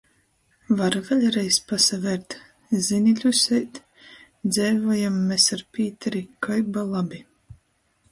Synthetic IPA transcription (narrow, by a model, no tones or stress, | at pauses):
vaɾvelʲɾɛjspasavɛɾt̪ | zinʲilʲusɛjt̪ | d̪zɛːvɔjamːɛsaɾpʲiːt̪ɛɾikajbalˠabʲi